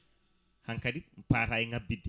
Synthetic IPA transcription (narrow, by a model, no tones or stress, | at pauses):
hɐŋkɐdipaːɾaiŋɡɐbid̪